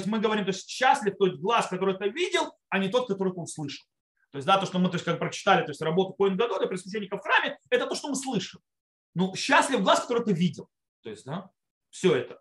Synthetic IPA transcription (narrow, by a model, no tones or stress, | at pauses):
osʲtʲmɨɡəvɐɾʲimt̪oɪsʲtʲɕːæsʲlʲɪft̪oɪst̪ʲɡlˠaskɐt̪o̞ɾɨjt̪ɨvʲidʲɪlˠ | ɐnʲɪt̪o̞t̪̚kɐt̪o̞ɾʊɨt̪ɨʊslˠɨʂəlˠ | t̪o̞ɪsʲd̪at̪o̞ʂt̪omɨt̪osʲkak̚pɾət͡ɕɪ̥t̪alʲɪt̪osʲt̪ʲrɐbo̞t̪ʊkoɪnɡɐd̪ud̪ɐpɾɪs̬mɪs̬ʲenʲːɪkəfxɾamʲɪɛt̪ət̪oʂt̪omɨslˠɨʂɨm | nuɕːæsʲlʲɪvɡlˠaskɐ̥t̪o̞ɾʊɨt̪̬ɨvʲidʲɪlˠ | t̪o̞̰ɪ̰sʲtʲd̪a | fsʲɵɛt̪ə